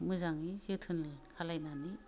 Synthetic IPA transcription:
mɯzaŋizɯtʰɯnalkʰalajnani

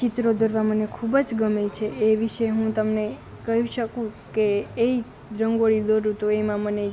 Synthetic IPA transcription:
t͡ʃit̪ɾod̪əɾʋamənekʰubəd͡ʒɡəmejt͡ʃʰeːʋiʃəɦũt̪əmne | kəɦjũʃəkũkeːi | ɾəŋɡoɭid̪oɾut̪oemãməne

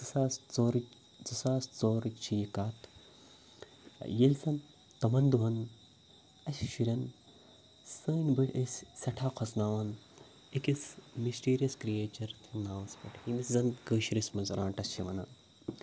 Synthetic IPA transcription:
zɨsaːst͡soːɾ | zɨsaːst͡soːɾt͡ʃʰijikaːt̪ʰ | jelʲsɐn | t̪ɐmɐnd̪uɦɐn | ɐsʲʃiɾʲɐn | səːnʲbɨʈesʲsɐʈʰaːkʰosnaːʋɐn | ikismisʈiːɾijɐskɾijeːt͡ʃɐɾt̪ʰinaːʋɐsbɐʈhiniszɐnkəːʃiɾismɐnzɾãːɳʈɐst͡ʃʰiʋɐna̰ː

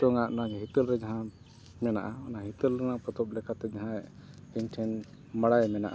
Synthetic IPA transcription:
tɔŋaʔɔnaɦit̪əlɾɛd͡ʒaɦã | mɛnaʔaɔnaɦit̪əlɾɛnaŋpɔt̪ɔp̚lɛkʰat̪ɛd͡ʒaɦãɛʔ | inʈʰɛn | maɽajmɛna̰ʔa

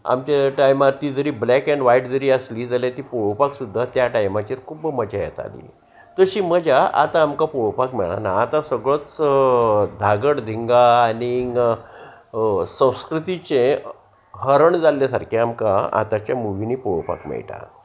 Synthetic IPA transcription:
a̰mt͡ɕaʈajmaɾt̪iːd͡zəɾiːblɛkɛɳɖʋaiʈd͡zəɾiːəsliːd͡zaljat̪iːpoɭpaksud̪ʱːat̪jaʈajmat͡ɕiːɾkʰubməd͡ʑajɛ̰t̪a̰lḭ | t̪əɕiːməd͡ʑaa̰t̪ãːmkapoɭpakmɛ̰ɭa̰naːt̪asəɡɭət͡s | d̪ʱaɡəɽd̪ʱiŋɡaːni | sə̃w̃skɾut̪it͡ɕẽ | ɦəɾəɳd͡zalːjasaɾkʰeamkaa̰t̪at͡ɕjamuʋiniːpɔɭpa̰kmɛ̰ɭʈa̰

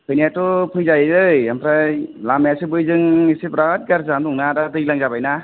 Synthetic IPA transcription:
pʰɯjnatɔpʰɯjzajɯjampʰɾajlamjasɯbɯjzɯŋisipɾaɦɯt̚ɡaɾzamntɔŋnadadɯjlaŋzabajna

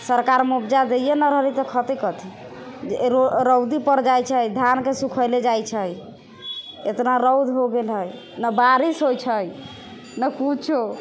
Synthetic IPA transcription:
səɾkaɾmubd͡ʒad̪ejenəɾəɦlit̪ɔkʰət̪ekət̪ʰi | ɾoɾəwd̪ipəɾd͡ʒajt͡ʃʰəjd̪ʱjankesukʰəjled͡ʒajt͡ʃʰəj | et̪naɾəwd̪ʱɦoɡelɦəj | nəbaɾisɦojt͡ʃʰəj | nəkut͡ʃʰo

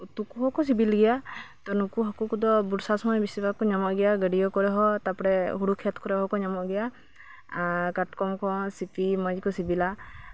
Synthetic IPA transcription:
ut̪ukuɦɔkɔs̬ibilɡɛjat̪ɔnukuɦɔkukud̪ɔbuɽsasɔmɔjbisibakɔɲɔmɔʔɡɛjaɡəɖijɔkɔɾɛɦɔt̪apɔɾɛɦuɽukʰɛt̪ʰkɔɾɛɦɔkɔɲɔmɔʔɡɛja | kaʈkɔmkʰɔ̃sipʰimad͡ʒkɔsibila

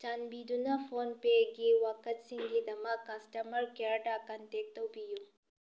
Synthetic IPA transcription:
t͡ʃanbid̪unafoːnpeɡiwakɐt̪siŋɡid̪ɐmakɐsʈɐmɐɾkeɾʈakɐnt̪eːk̚t̪ɐwpiju

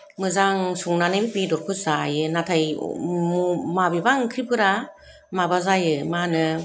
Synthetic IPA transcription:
mɯzaŋsuŋnanɯbibidɔɾkʰuzajɯnatʰaj̰mumabibaŋkʰɾipʰɯɾa | mabazajɯmanɯ

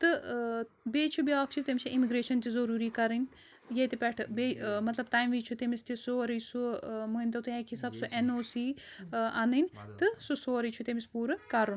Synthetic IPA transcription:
t̪ɨ | beːt͡ʃʰubiaːkt͡ʃʰizt̪emt͡ʃʰiʔimiɡɾeːʃɐnt̪izɐɾuːɾiːkɐɾinʲ | jɐt̪ipɛʈʰbeːmɐt̪lɐb̚t̪aːjmʋiːt͡ʃʰut̪emist̪isoːɐɾijsumuint̪ɐt̪ujãekʰɦisaːbsuʔenoːsiːanɨnt̪ɨsusoːɐɾit͡ʃʰut̪emispuːɾɨkɐɾun

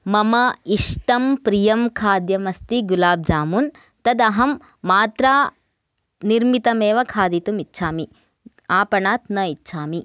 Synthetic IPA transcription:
mɐmɐiʂʈɐmpɾijɐmkʰaːd̪jɐmɐst̪iɡulaːb̚d͡ʒaːmun | t̪ɐd̪ɐɦɐmː | aːt̪ɾaː | niɾmit̪ɐmeːʋɐkʰaːd̪it̪umitːʃʰaːmi | aːpɐɳaːt̪̚nɐitːʃʰaːmi

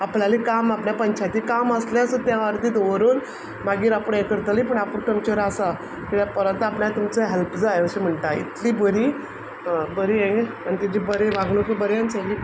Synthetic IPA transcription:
aplalikamapɳjapəɲt͡ɕʰat̪iːkaməsleasət̪jãʋaɾd̪iːt̪ʋəɾuːn | maɡiːɾapəɳekəɾt̪alĩpəɳapuɳkəmt͡ɕəɾasa | k̪iɽjapəɾət̪apɳjat̪umt͡səɦɛlpd͡zajəɕem̤əɳʈaḭt̪liːbəɾiː | bəɾiːẽ | añit̪id͡ʑibəɾeʋãɡɳũkəbəɾant͡səɡi

